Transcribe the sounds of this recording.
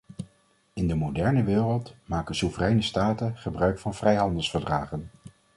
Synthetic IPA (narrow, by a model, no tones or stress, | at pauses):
ɪndəmodɛɹnəʋɪːrəlˠtmaːkənsuvərɛjnəstaːtəχəbrœɥkfɑnvrɛjɦɑndəlˠsfəɹdraːχən